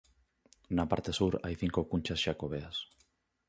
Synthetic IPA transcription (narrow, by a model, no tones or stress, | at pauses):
napa̰ɾt̪esuɾa̰jθiŋkokunt͡ʃasʃakoβ̞eas